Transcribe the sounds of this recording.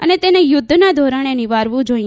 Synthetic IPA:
ənet̪enejʊd̪ʱːnad̪ʱoɾanenɪʋaɾʋũd͡ʒoi

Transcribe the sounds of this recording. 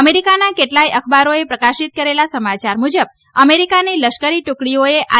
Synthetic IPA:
əmeɾikanakeʈlaiʔəkʰbaɾoepɾəkaʃit̪̚kəɾelasəmat͡ʃaɾmud͡ʒəb̚ | əmeɾikaniləʃkəɾiʈʊkɽioeʔa

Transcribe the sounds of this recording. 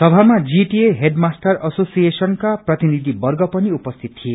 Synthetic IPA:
sʌbʱamad͡ziʈieɦeɖmasʈʌrʌsosiesʌnkaprʌt̪inid̪ʱibʌrɡʌpʌniupʌst̪ʰit̪t̪ʰːije

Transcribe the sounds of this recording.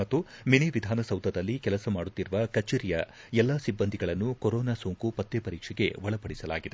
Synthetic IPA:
ɐt̪ːuminiʋid̪ʱaːnɐsɐwd̪ʱɐd̪ɐlːikɛlɐsɐmaːɽut̪ːiɾuʋɐkɐt͡ʃeɾijɐ | ɛlːɐsibːɐnd̪ʱiɡɐɭɐnːukoɾɔːnaːsoːŋkupɐt̪ːjepɐɾiːkʂɛɡe̞̰ʋɐɭɐpɐɽisɐla̰ːɡid̪e

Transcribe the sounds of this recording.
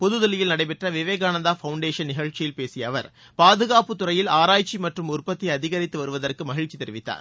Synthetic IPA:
pɔðɯðɐlɪjɪlnɐɽɐɪp̬ɛʈrɐʋɪʋeːɣaːnɐnd̪aːfɐʊɳɖeːʂɐnnɪɣɐɻt͡ʃːɪjɪlpeːsɪjɐʋɐ̰ɾ | paːðɯɣaːpɯt̪ːʊrɐjɪlaːɾaːjt͡ʃːimɐʈrɯmʊrpɐt̪ːiɐðɪɣɐɾɪt̪ːɯʋɐɾɯʋɐðɐrkɯmɐɣɪɻt͡ʃːit̪ɛɾɪʋɪt̪ːa̰ːɾ

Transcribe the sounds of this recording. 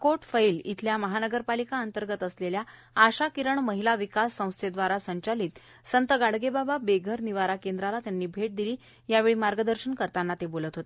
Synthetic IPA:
koʈfəilḭt̪ʰljaməɦanəɡəɾpalikaənt̪əɾɡət̪əslelja | aɕakiɾəɳməɦilaʋikasːə̃w̃st̪ʰed̪ʋaɾasəɲt͡ɕaliːt̪ | sənt̪əɡaɽɡebababeɡʱəɾniʋaɾakend̪ɾalat̪janːiːbʱeʈ̚d̪iliː | jaʋeɭiːmaɾɡəd̪əɾɕənkəɾt̪anːat̪ebolət̪ɦot̪e̥

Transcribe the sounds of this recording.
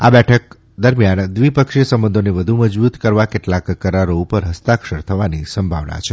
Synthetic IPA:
a̰bɛʈʰək | d̪əɾmjand̪ʋipəkʃiəsəmbə̃nd̪ʱoneʋəd̪ʱuməd͡ʒbut̪kəɾʋakeʈlakːəɾaɾoupəɾɦəst̪akʃəɾt̪ʰəʋanisəmbʱaʋna̰t͡ʃʰe

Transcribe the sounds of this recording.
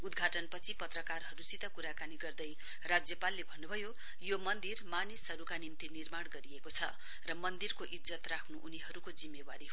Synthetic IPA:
ud̪ɡʱaʈʌnpʌt͡sʰipʌt̪rʌkarɦʌɾusit̪akuɾakaniɡʌrd̪ʌj | rad͡zjʌpalːebʱʌnːubʱʌjo | jomʌnd̪irmanisɦʌɾukanimt̪inirmaɽɡʌɾiekot͡sʰʌ̰ | rʌmʌnd̪irkoʔid͡zʌt̪rakʰnuʔuniɦʌɾukod͡zimːewaɾiɦ

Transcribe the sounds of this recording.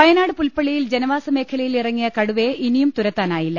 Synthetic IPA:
pɐjɐnaːɽɨpulpɐɭijild͡ʑe̞nɐʋaːsɐme̞ːkʰɐlɐjilirɐŋːijɐkɐɽuʋe̞inijumt̪uɾɐt̪ːaːnaːjilːɐ

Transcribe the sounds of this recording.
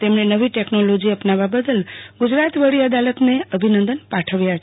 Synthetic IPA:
t̪emnenəʋiʈeknolod͡ʒiəpnaʋabəd̪əlɡud͡ʒɾat̪ʋəɭiəd̪alət̪neəbʱinənd̪ənpaʈʰəʋja

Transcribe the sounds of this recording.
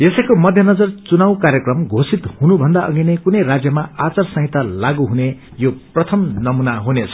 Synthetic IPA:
jesʌjkomʌd̪ʱjʌnʌd͡zʌrt͡sunaw̃kaɾjʌkrʌmɡʱosit̪hunubʱʌnd̪aʔʌ̰ɡinekunʌjrad͡zjʌmaat͡sarsʌ̃ɦit̪alaɡuɦune | joprʌt̪ʰʌmnʌmunaɦunet͡sʰʌ̥

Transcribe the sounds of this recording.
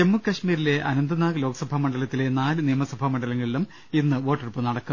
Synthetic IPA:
emːukːɐʂmiːɾile̞ʔɐnɐnd̪ɐnaːɣɨlo̞ːɡɐsɐbʱɐmɐɳɖɐlɐt̪ːile̞naːlɨnijɐmɐsɐbʱɐmɐɳɖɐlɐŋːɐɭilum | inːɨʋo̞ːʈːɐrpːɨnɐɽɐkːɐm

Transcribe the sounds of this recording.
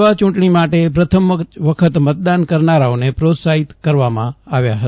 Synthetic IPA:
ʋat͡ʃũɳʈɳimaʈepɾət̪ʰəmʋəkʰət̪mət̪̚d̪ankəɾnaɾaonepɾot̪saɦit̪kəɾʋamã̰aʋjaɦət̪

